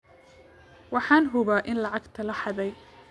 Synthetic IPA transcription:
wɑħɑːnɦʊβaʔɪnlɑʕɑɡt̪ʰɐlɐħɑðɛj

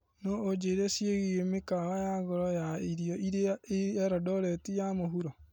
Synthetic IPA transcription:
nɔʔod͡ʒeɾesjeɣiɣemekaɣajaɣɔɾɔjaiɾiɔʔiɾeɛɾɔdɔɾɛtijamoɦuɾɔ

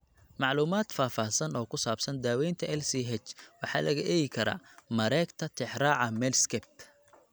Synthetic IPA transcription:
mɑʕluːmaːd̪̥faːfɑːhsɐnɔːkʰʊsaːbsɐnd̪aːwɛjnt̪ʰɐɛlsiːɦɛt͡ʃwɑħɑ̰ːlɐɣɐʔɛjɪkʰɐɾa̰ːmɐɾɛːɡt̪ʰɐt̪ʰɪħɾaːʕɑmɛːlskʰɛb̚t̪ʰ

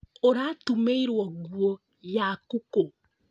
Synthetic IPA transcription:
oɾatumeiɾwɔɣwɔ | jakuko

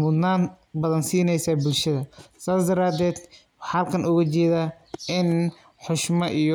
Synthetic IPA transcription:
mʊd̪naːn | bɐðɐnsiːnɛjsaːbʊlʃɐðɐsaːsd̪ɐɾaːd̪ɛːd̪ | hɐlkʰɐnʔʊɣɐt͡ʃɛːðaː | ɪn | ħʊʃmɐʔijɔ

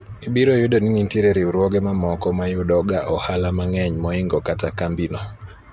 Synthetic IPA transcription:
ibiɾojʊdɔninintiɾeɾiuɾwɔɡɛmamɔkɔmajʊɗɔɡaʔɔhalamaŋɛɲmɔɪŋɡɔkatakambinɔ

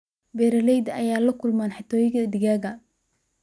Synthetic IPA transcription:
bɛːɾɐlɛjd̪ɐjaːlɐkʰʊlmaːnħɪt̪ʰɔːjɪɣd̪ɪɣaːɣɐ

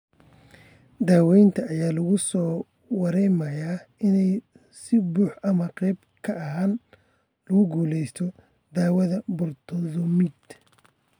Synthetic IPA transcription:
d̪aːwɛjnt̪ʰɐːjaːlɐɣʊsɔː | wɑɾɛjmɐjaːɪnɛj | sɪbuːħɐmɐqɛːb | kʰɐɐɦaːn | lɐɣʊɡuːlɛjst̪ʰɔ | d̪aːwɐðɐbʊrt̪ʰɔðɔmid̪

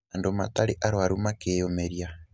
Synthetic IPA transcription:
andoma̰taɾiʔaɾwaɾumakejomeɾja

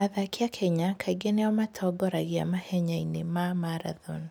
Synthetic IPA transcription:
aðakʰiakʰɛɲakʰaiɡeneɔmatʰɔɡɔɾaɣia̰mahɛɲainemamaɾa̰ðɔ̰n

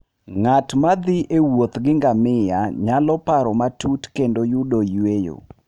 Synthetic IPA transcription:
ŋatmad̪ɪʔewot̪ɡɪŋɡamɪjaɲalɔpaɾɔmatutkendojudojwejo̰

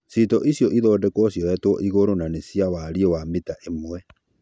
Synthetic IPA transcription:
sitɔʔisjɔʔiðɔːdɛkwɔsjɔɛtwɔʔiɣoɾonanesjawaɾiɔwamitaʔemwɛ

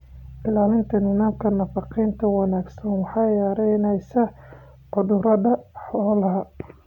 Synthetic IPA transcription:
ʔɪlaːlɪnt̪ʰɐnɪnaːmkʰɐnɐfɑqiːnt̪ʰɐwɑnaːɡsɐnwɑħɑjaːɾɛjnɛjsɐ | ʕʊðʊɾɐðɐħɔːlɐɦɐ

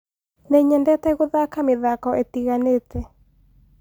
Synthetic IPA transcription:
nɛɲɛndɛtɛɣoðakameðakɔʔetiɣanetɛ

